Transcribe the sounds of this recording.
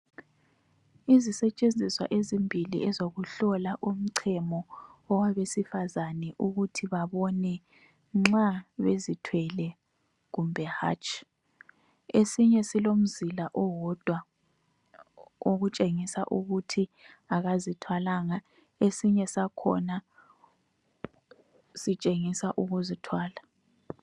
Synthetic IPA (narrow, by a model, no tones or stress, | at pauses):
izisɛt͡ʃʼend͡zʱiswa̰ʔezimbʱilḭʔɛzoɣuɬɔlaʔum̩ǀʰɛmɔɔwaβesifazanɛʔuɣutʰiβaβɔnɛ | ŋ͡ǁaβezitʰwɛlɛ | ɣumbʱɛha̰t͡ʃʼ | esiɲɛsilom̩zilaʔɔwɔd̥ʱwa | oɣut͡ʃʼeŋisa̰ʔuɣutʰi | aɣazitʰwalaːŋa | esiɲɛsakʰɔ̰na | sit͡ʃʼeŋisaʔuɣuzitʰwaːla